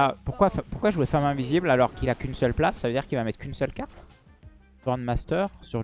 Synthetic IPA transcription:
apuʁkwafpuʁkwaʒuefamɛ̃viziblalɔʁkilakʲynsœlplasːavød̪iʁkʲilvamɛt̪χkynsœlkaʁt̪ | vɑ̃d̪mast̪œːʁsyʁ

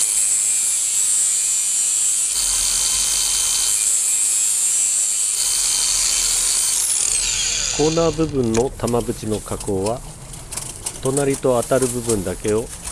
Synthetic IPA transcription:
ko̞ːnaːbɯ̟bɯ̟̃nːo̞t̪amabɯ̟t͡ɕino̞kako̞ːβa | t̪o̞naɾʲit̪o̞at̪aɾɯ̟bɯ̟bɯ̟̃nd̪ake̞o̞

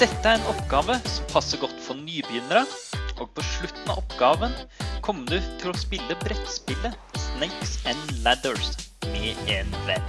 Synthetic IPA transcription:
d̪̥ɛt̪ːəæɾɛnɔpɡɑːʋəsɔmpʰɑsːəɡɔt̪ːfɔɾnyːbjʏnəɾəʔoːɡ̚pʰɔʂɭʉt̪ːn̩ɑ̰ʔɔpɡɑːʋənkʰɔmːd̪ʉːt̪ʰɪlɔspɪlːəbɾɛt̪spɪlːəsneɪksɛnlæd̪əɹsmɛeːnʋɛ̰nː

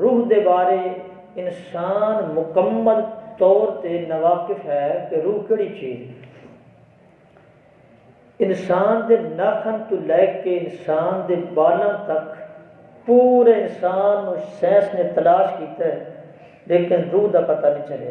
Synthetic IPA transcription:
ɾuːɦd̪eːbaːɾeː | ɪnsaːnmʊkəmːəlt̪ɔːɾt̪eːnəʋaːkɪfɦɛkeɾuːɦkeːɽiːt͡ʃiːz | ɪnsaːnd̪eːnaːkʰənt̪ũlɛːkeɪnsaːnd̪eːbaːlãːt̪ək | puːɾeːɪnsaːnːoːsɛ̃ːsnẽːt̪əlaːʃkiːt̪eː | leːkɪnɾuːɦd̪aːpət̪aːnĩːt͡ʃəlḛː

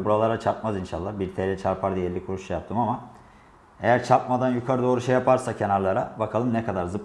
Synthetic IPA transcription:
buɾalˠaɾat͡ʃʰaɾt̪̚mazinʃa̰lˠːabiɾt̪ʰeːlʲɛt͡ʃʰaɾpʰaɾd̪ijɛɾlʲikʰuɾuʃt͡ʃʰajap̚t̪ʰɯmama | e̞jæɾt͡ʃʰap̚mad̪anjukʰaɾɯd̪o̞ːɾuʃejapʰaɾsacʰe̞naɾlˠaɾabakʰalˠɯmnɛkʰad̪aɾzɯp

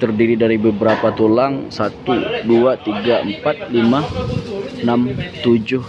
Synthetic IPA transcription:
t̪ərdiɾidaɾibəbəɾapat̪olaŋsat̪uduat̪iɡaəmpat̪̚lima | namt̪ud͡ʒʊh

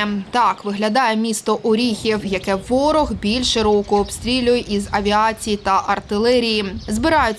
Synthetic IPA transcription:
t̪ɑkʋɪɦlʲɐd̪ɑjɛmʲist̪ɔʔʊɾʲixʲiwjɐkɛʋɔɾɔɣbʲilʲʃeɾɔkɔːbst̪ɾʲilʲʊjɛʔizɐʋʲiɑt͡sʲijit̪ɐʔɐrt̪ɪlˠɛɾʲijizbɪɾɑjʊ

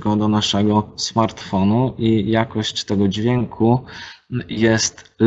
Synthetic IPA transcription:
kɔ̃d̪ɔnaʂɛɡɔsmaɾt̪fɔnuʔijakɔɕt͡ɕt̪ɛɡɔd͡ʑvʲjɛŋkʰu | jɛst̪l

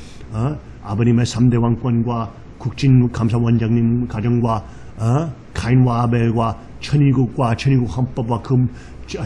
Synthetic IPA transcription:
abɐnimasamdewaŋkʷɐnɡwa | kʰuk̚t͡ʃinkʰams̬awand͡ʒaŋnimkʰad͡ʒɐŋɡwa | kʰajnwabelɡwa | t͡ʃʰɐniɡukwat͡ʃʰɐniɡuhampɐbwakʰɯm

